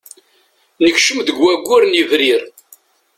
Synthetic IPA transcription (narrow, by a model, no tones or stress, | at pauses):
nəçʃəmðəɡwæɡʷːʊɾnivɾiɾ